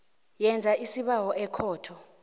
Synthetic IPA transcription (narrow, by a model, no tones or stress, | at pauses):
jɛnd͡zʱaisiɓawɔʔɛkʰɔːtʰɔ